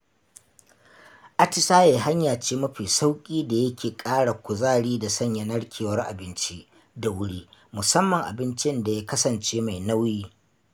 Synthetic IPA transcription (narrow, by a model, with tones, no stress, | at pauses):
ʔa˦tɪ˦saː˦je˨ɦa˦ɲjaː˨t͡ʃeː˦mɐ˦ɸiː˨sa˦wkʲʼiː˦da˨jɐ˦kʲeː˨kʼaː˦ɽa˨kʷʊ˨zaː˦ɽiː˦da˨sɐ˦ɲjɐ˦nɐ˦ɽkʲʰeː˨wɐ˦rʔa̰˨bɪ˦nt͡ʃi˦ʔ | da˨wʊ˦ɽiː˦mʊ˨sɐ˦mːɐ˨ŋʔa̰˨bɪ˦nt͡ʃɪ˦nda˨ja˦kɐ˦sɐ˨nt͡ʃeː˦ma˨jna˦wjiː˦